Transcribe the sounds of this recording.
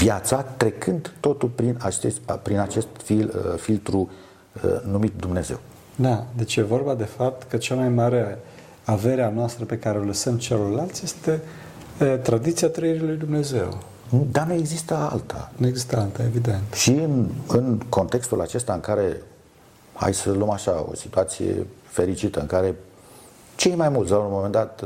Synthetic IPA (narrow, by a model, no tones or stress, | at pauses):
vjat̪sat̪ɾe̞kʰɨnd̪t̪o̞t̪ulpɾinat͡ʃespɾinat͡ʃe̞st̪fifilt̪ɾu | ə̰numit̪̚d̪umne̞ze̞̰w | d̪ad̪e̞t͡ʃje̞vo̞rbad̪e̞fap̚t̪kət͡ʃamajmaɾe | ave̞ɾeanoast̪ɾəpe̞kaɾeoləsəmt͡ʃelorlalt̪sʲjest̪e̞ | t̪ɾad̪it̪siat̪ɾəiɾilujd̪umne̞ze̞̰w | nd̪anueɡzist̪əa̰lt̪ʰa̰neeɡzist̪əalt̪aevid̪e̞nt̪ʃiɨnɨnko̞nt̪e̞kst̪ulat͡ʃe̞st̪aɨŋkaɾe̞ | ha̰jsəlomaʃao̞̰sit̪uat̪sije̞̰ | fe̞ɾit͡ʃit̪əɨŋkaɾe̞ | t͡ʃe̞jmajmult̪sawunmome̞nd̪at̪